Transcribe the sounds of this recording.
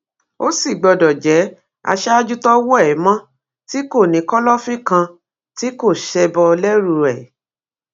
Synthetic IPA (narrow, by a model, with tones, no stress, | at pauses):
o˦si˦˨ɡ͡bɔ˧dɔ˨d͡ʒɛ˨˦ | a̰˧ʃɛ˦a˦d͡ʒu˦tɔ˦wɔ˦ɛ˦˨˦mã˦ | ti˦ko˦˨nĩ˨˦kɔ˦lɔ˦fĩ˦kã˧ | ti˦ko˦˨ʃɛ˧bɔ˧lɛ˦ɾu˧ɾɛ˨